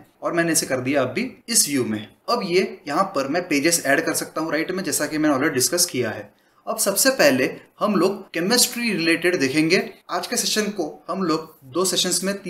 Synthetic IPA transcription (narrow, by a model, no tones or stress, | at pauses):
ɔːɾmɛ̃ːneɛsekɐɾd̪ijaɐbʱiɪsʋjumḛ̃ | ɐbjejɐɦãpɐɾmɛ̃peːd͡ʒɪzɛːɖkɐɾsɐk̚t̪aɦũɾaːɪʈmẽd͡ʒɛːsakimɛ̃ːneɔːlɾeɖiɖɪskɐskijaɦɛ̰ː | ɐbsɐbsepɛɦlehɐmloːɡ̚kɛmɪsʈɾiɾɪleːʈeɖd̪eːkʰẽːŋɡeːaːd͡ʒkesɛːʃənkohɐmloːɡd̪oːsɛːʃənsmẽt̪ː